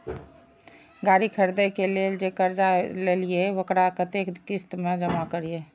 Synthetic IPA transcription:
ɡaːɾikʰəɾd̪ekeleːld͡ʒekəɾd͡ʒalelieʋəkɾakət̪ek̪kɪst̪mẽd͡ʒəmakəɾie

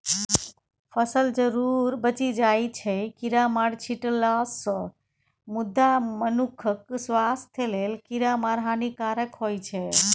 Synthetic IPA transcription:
pʰəsəld͡ʒəɾuɾbət͡ʃid͡ʒajt͡ʃʰɛkiɾamaɽt͡ʃʰiʈlasə̃ | mud̪ːamənukʰəksʋast̪ʰelelkiɾamaɾɦanikaɾəkɦojt͡ʃʰɛ

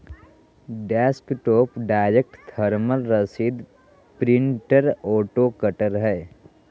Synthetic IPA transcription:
ɖɛːspʈoːpɖaːɪɾek̚ʈt̪ʰəɾməlɾəsid̪ | pɾɪ̃ɳʈəɾoːʈokəʈəɾɦɛː

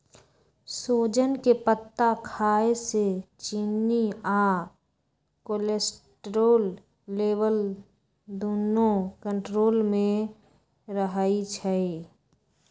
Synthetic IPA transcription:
soːd͡ʒənkepət̪ːakʰaːeset͡ʃinːia | kolesʈɾoːlː | eːʋəl | d̪oːnokə̃ɳʈɾoːlmẽ | ɾəɦəit͡ʃʰɛi

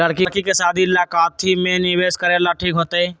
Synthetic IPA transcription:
ləɽkikikesaːd̪ʱilaːkaːt̪ʰːimẽnɪʋeːʃkəɾelaʈʰiːkɦoːt̪eɛ̃ː

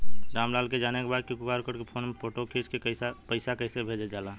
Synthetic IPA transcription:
d͡ʒaːmlaːlked͡ʒaːnekebaːd̪̚kikʊkaːɾkəɾkepʰoːnmepʰoːʈokʰet͡ʃkeapəɪsakəɪsebʱed͡ʒed͡ʒaːla

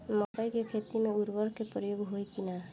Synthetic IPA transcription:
mɔtəjkekʰet̪imeuɾbəɾkepɾəjoɡɦojkina

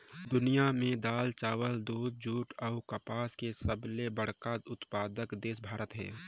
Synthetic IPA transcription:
d̪ʊnijamẽd̪aːlt͡ʃaːwəld̪uːd̪̚d͡ʒuːʈɔːkəpaːskesəblebəɽ̤kaːt̪ʊt̪paːd̪əkd̪eːsbʱaːɾət̪ɦɛ̰̃ː

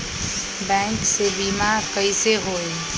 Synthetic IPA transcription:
bɛ̃ŋksebiːmakəiseɦoːe

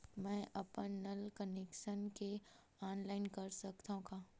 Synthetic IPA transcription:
mɛ̃ːʔɐpənːɐlkəneːkʃənke | aːnlaːɪnkɐɾsɐkt̪aɦũɡaː

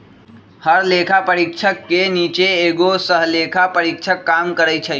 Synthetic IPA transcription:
həɾleːkʰapəɾɪkʃʰəkːeniːt͡ʃeeːɡosəɦleːkʰapəɾɪkt͡ʃʰəkːaːmkəɾət͡ʃʰɛ

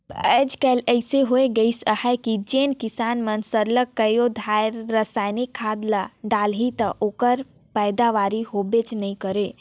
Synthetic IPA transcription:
əːd͡ʒkələɪseɦoeɡəisəhɛkid͡ʒeːnkisaːnmənsəɾləkːəjod̪ʱaɾːəsaːɪnikʰːad̪laɖalɦit̪əʔoːkəɾ | pɛɪd̪aʋaɾiɦobet͡ʃnəĩkəɾe

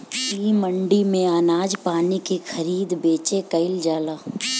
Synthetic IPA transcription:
iːməɳɖimẽaːnaːd͡ʒpaːnikexɐɾiːd̪beːt͡ʃekɐɪld͡ʒaːlaː

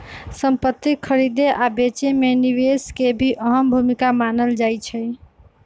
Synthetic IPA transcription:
səmpət̪ːikʰːəɾid̪eʔabet͡ʃemeniweskebʱiʔəɦəmbʱumikamanəld͡ʒajt͡ʃʰəj

